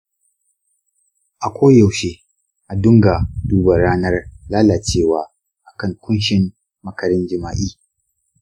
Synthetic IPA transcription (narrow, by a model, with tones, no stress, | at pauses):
ʔa˨kʷʰoː˦ja˨wʃeː˦ | ʔa˨dʊ˦ŋɡa˨duː˦ba˨ɾaː˦nɐ˦rlaː˦laː˨t͡ʃeː˦˨waː˨ | ʔa˨kɐ˦˨ŋkʷʊ˦nʃɪ˨mː | ɐ˦kɐ˨ɾɪ˦nd͡ʒɪ˨ma̰ː˨ʔiː˦